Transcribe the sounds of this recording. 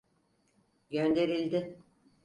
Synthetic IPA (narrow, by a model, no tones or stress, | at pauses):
ɟønd̪e̞ɾilʲd̪ɪ